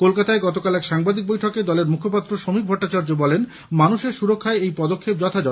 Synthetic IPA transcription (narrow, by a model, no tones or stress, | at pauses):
kolkat̪aeɡɔt̪okalɛkʃaŋbad̪ik̚bojʈʰɔked̪ɔleɾmukʰopat̪ːɾoʃomik̚bʱɔʈːat͡ɕaɾd͡ʑobɔlen | manuʃeɾʃuɾokʰːaeejpɔd̪okʰːep̚d͡ʑɔt̪ʰad͡ʑɔ